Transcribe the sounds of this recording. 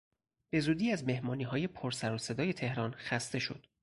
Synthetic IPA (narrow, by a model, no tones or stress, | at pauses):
b̥e̞zuːd̪iːæzme̞hmɒːniːɦɒːje̞pʰoɾsæɾose̞d̪ɒːje̞t̪ʰe̞hɾɒːnxæst̪e̞ʃo̞̰d̪̥